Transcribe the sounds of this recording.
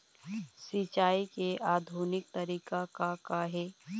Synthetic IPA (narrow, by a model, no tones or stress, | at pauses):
sit͡ʃaːikeʔaːd̪ʱuːnɪk̚t̪ɐɾiːkakakaɦeː